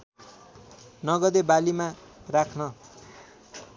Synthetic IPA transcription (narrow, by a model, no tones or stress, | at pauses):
nʌɡʌd̪ebalima | rakʰnʌ